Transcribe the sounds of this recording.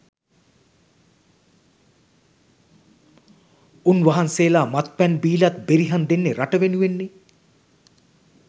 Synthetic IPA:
unʋɐɦanseːlaːmɐt̪̚pɛnbiːlɐt̪̚beɾiɦɐnd̪enːeɾɐʈɐʋenuʋenːi

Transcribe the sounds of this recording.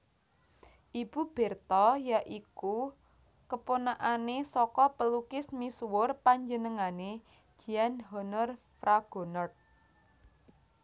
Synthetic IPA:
ʔib̥ṳb̥ɛ̤rt̪ɔjaʔiku | kəponaʔanesɔkɔpəlukɪsmiswʊrpaɲd͡ʒənəŋane̥ | d͡ʒ̥i̤anɦɔnɔr | fɾaɡ̥o̤nɔrt̪̚

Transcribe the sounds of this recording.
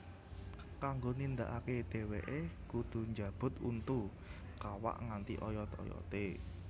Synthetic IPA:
kaŋɡonind̪a̰ʔaked̪̥e̤wḛʔekud̪̥o̤ɲd͡ʒab̥ʊ̤t̪ṵnt̪u | kawa̰ʔŋant̪iʔɔjɔt̪ɔ̰jɔ̰t̪e

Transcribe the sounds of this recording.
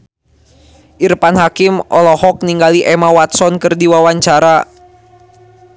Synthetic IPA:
ʔirpanɦakimɔ̰lɔhɔk̚niŋɡaliʔɛmawat̪sɔnkɨrdiwawaɲt͡ʃaɾa

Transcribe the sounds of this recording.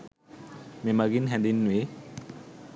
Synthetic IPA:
memaɡinɦɛndinːwe

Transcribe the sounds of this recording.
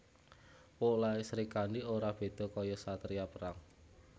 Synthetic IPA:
poʔlaesɾikandioɾab̥e̤d̪̥ɔ̤kɔjɔsat̪ɾiapəɾaŋ

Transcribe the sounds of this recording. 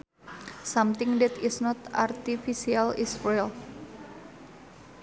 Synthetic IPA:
samt̪ɪŋd̪ɛt̪isnɔt̪art̪ifisialisɹil

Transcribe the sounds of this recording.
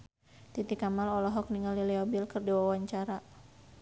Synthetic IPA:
t̪it̪ikamalɔlɔɦɔk̚niŋaliliɔbilkɨrdiwawaɲt͡ʃaɾa

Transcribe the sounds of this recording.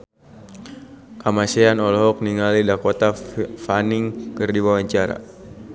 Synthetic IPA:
kamasɛanɔlɔɦɔk̚niŋalidakɔt̪afaniŋkɨrdiwawaɲt͡ʃaɾa̰

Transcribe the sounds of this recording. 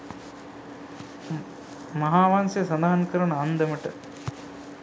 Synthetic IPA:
mɐɦaːʋaːnsɐsɐd̪aːnkɐɾɐɳaːnd̪ɐmɐʈɐ

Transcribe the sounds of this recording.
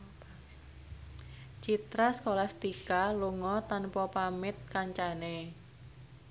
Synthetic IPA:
t͡ʃit̪ɾaskolast̪ikaluŋɔt̪anpɔpamɪt̪̚kaɲt͡ʃane

